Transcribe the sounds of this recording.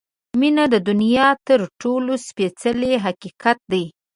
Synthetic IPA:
minad̪əd̪ʊnijɑt̪əɾʈolospet͡səleɦaqiqat̪̚d̪aj

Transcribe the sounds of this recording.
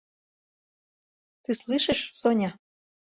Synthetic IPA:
t̪ɨslˠɨʃeʃsonʲɑ

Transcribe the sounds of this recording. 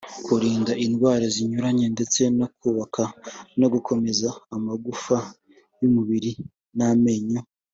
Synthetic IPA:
kuɾiːndaʔinɡwaːɾaziɲuɾaɲende̞t͡se̞nokuːβakano̞ɡukʰo̞me̞zaːmaɡufa | jumuβiɾi | name̞ɲo

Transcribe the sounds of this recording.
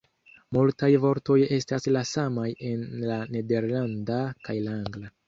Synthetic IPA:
multajvo̞ɾto̞je̞staslasamaje̞nlane̞de̞ɾlandakajlaaŋɡla

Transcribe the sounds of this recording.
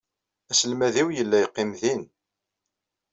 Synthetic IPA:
æsəlmæðiwjəlːæjqːɪmðin

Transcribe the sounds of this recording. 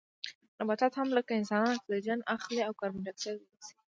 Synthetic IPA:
nabat̪at̪hamləkaɪnsɑnɑnok̪d̪əd͡ʒanaxliawkɑɾmaɖaksawbəsi̥

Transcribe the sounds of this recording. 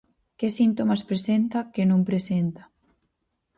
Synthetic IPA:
kesint̪omaspɾesent̪akenũmpɾesent̪ḁ

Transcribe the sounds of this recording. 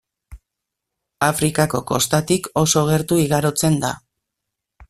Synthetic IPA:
afɾikako̞ko̞st̪at̪iko̞so̞ɣ̞e̞ɾt̪uiɣaɾo̞t͡se̞nd̪a̰

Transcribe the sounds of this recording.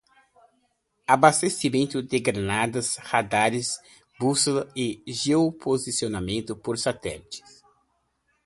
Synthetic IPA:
abast̪esimẽnt̪ʊd̪ɪɡɾanad̪ɐshad̪aɾɪs | busɐɪʒeopʰozisionamẽnt̪ʊpoɾsat̪ɛ̰lit͡ʃɪ̥s

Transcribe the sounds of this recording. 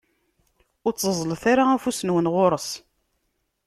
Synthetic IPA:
ʊɾt͡sːəzˤlθaɾaæfusənwənʁoɾˤəs

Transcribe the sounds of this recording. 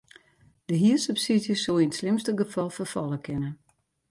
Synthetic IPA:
d̥əɦiəsəpsidjəsolˠinətslɪmstəɡəfɑlˠfərfɑlˠəkʰɪnən

